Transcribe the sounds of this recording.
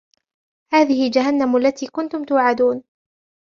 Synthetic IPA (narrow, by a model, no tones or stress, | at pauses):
haːðɪhɪld͡ʒaɦanːamʔlːat̪iːkʊnt̪ʊmt̪ʊwʕad̪uːn